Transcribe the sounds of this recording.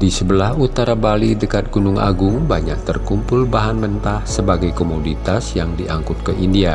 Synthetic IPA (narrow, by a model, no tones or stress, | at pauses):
disəbəlahut̪aɾabalidəkat̪̚ɡ̥unʊŋʔa̰ɡʊŋbaɲak̚t̪ərkumpʊlbaɦanmənt̪ahsəbaɡajkomodit̪asjaŋdiʔaŋkʊt̪̚kəʔindia